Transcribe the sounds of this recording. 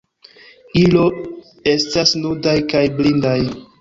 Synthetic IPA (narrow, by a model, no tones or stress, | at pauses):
ilo̞ | e̞stasnudajkajblindaj